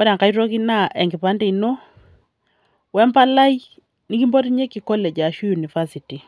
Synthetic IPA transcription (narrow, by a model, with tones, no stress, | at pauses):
ɔ˦ɾa˨ŋka˨i˦ɾo˦ki˦na˦ʔɛ˨ŋɡi˨pa˦nde˦i˨no˦ | wɛ˦mpa˦la˦i˦ | ni˦ki˦mbo˦ɾi˦ɲe˦ki˨kɔ˦lɛ˨d͡ʒa˨ʃu˦ju˨ni˨fa˦si˨ti˨